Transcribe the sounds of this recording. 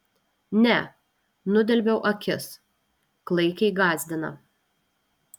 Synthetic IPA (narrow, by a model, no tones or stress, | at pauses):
nʲɛ | nʊd̪ʲɛlʲbʲɛʊʔɐkʲɪs | klˠɐɪkʲɛɪɡɑːzʲd̪ʲɪnɐ̰